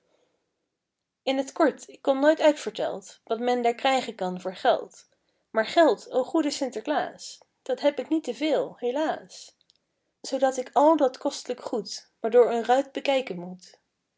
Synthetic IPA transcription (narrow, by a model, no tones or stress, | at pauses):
ɪnətkɔɹtɪkːɔmnojtœɥtfəɹtɛ̰lˠtʋɑtmɛndaːɹkrɛjχəkɑnvʊːɹχɛ̰lˠt | maːɹχɛlˠtowχudəsɪntəɹkla̰ːs | d̥ɑtɦɛpɪknitəvɪːlˠɦejlaːs | z̥owdɑtɪkɑlˠdɑtkɔstələkχutʋaːɹdʊːɹənrœɥd̚bəkɛjkənmut